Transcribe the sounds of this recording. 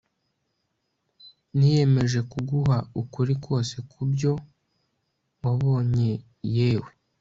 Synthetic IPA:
nije̞me̞ʒe̞kuɡuɦaukuɾikwo̞ːse̞kʰubjo̞ | waβo̞ːɲe̞ | jeːwe

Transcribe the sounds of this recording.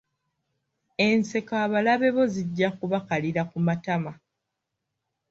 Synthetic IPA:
e̞nse̞kaːβalaβe̞βo̞ziɟːakuβakaliɾakumatama

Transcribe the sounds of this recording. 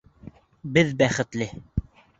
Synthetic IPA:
bɘðbæχɘ̆t̪lɘ

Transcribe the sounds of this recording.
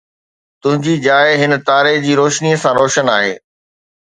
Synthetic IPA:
t̪ʊ̃ɦɪ̃ɲd͡ʑiːd͡ʑaːɪɦɪn̆t̪aːɾeɦd͡ʑiːɾoːʃniəsãɾoːʃənaːɦḛː

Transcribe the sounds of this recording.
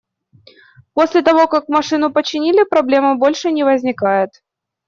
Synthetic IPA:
po̞sʲlʲɪt̪ɐvo̞kakmɐʂɨnʊpət͡ɕːɪnʲilʲɪpɾɐblʲe̞məbo̞lʲʂɨnʲɪvəzʲnʲɪkajɪt̪

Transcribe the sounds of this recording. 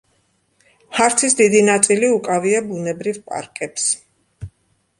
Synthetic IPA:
haɾt̪sʰisd̪id̪inat̪sʼiliukʼaviabunɛbɾivpʼa̰ɾkʼɛps

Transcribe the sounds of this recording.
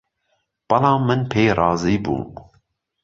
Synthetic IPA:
b̥ɨlɑːmɨnpʰeːjɾɑːziːbṵː

